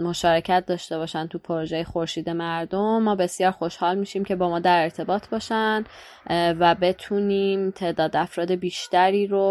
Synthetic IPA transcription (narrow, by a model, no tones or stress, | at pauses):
moʃɒːɾe̞cʰæt̪̚d̪ɒːʃt̪e̞bɒːʃænt̪ʰupʰoɾoʒejexoɾʃiːd̪e̞mæɾd̪omːɒːbe̞sjɒːɾxo̞ʃhɒːlmiːʃiːmcʰe̞bɒːmɒːd̪æɾe̞ɾt̪ʰe̞bɒːt̪ʰbɒːʃæn | væbe̞t̪ʰuniːmt̪ʰe̞ːd̪ɒːd̪æfɾɒːd̪e̞biːʃt̪æɾiːɾo